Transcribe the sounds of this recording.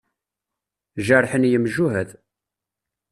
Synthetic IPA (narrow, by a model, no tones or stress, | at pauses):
ʒəɾˤħənjəmʒuɦəð